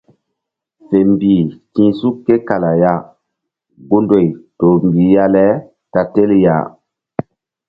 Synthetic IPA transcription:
fe˨mbi˨kĩ˦su˦kːe˦ka˨la˨ja˦ | ɡo˦ndo˨jto˨mbi˨ja˦lɛ˦ | ta˨te˦lja̰˨

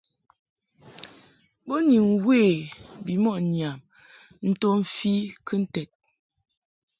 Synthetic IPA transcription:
bo˦ni˨ŋwe˦˨bi˨mɔ˦˨ʔnja˨m | n̩˦to˦m̩˨fi˦kʰɨ˦n̩˦tɛ˨t̚

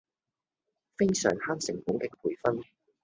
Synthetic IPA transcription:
fe˥jsœ̰ː˨˩ŋhaː˥nsɪ˨˩ŋfʊ˨˥ŋkɪ˧k̚pʰuː˨˩jfɐ˥n

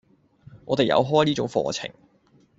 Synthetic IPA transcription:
ŋɔː˨˧t̪e˨jɐ̰˨˧wɦɔː˥jniː˥t͡sʊ˨˥ŋfɔ̰ː˧t͡sʰɪ̰˨˩ŋ

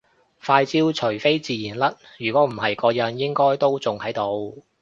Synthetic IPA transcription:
faː˧jt͡siː˥wt͡ʃʰɵ˨˩ɥfe˥jt͡siː˨˧jiː˨˩nlɐ˥t̚jyː˨˩kʷɔː˨˥m̩˨˩hɐ˨jkɔː˧jɐ˨˧˥njɪ˥ŋkɔː˥jt̪o˥wt͡sʊ˨ŋhɐ˨˥jt̪o˧w

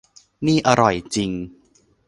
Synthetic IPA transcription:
niː˥˩ʔa˧ɾɔ˨˩jt͡ɕi˧ŋ

